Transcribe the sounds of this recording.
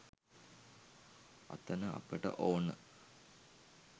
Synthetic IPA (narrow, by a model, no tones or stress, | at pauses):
ɐ̰t̪ɐnəɐ̰pəʈə̰ʔoːnə